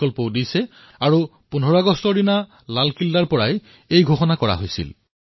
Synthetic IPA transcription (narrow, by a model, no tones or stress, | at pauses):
ɔlpɔwdijsɛ | aɹu | punʱɔɹaɡɔstɔɹina | lalkildaɹpɔɹaj | ejɡʱoxɔnakɔɹa̰ɦojsḭl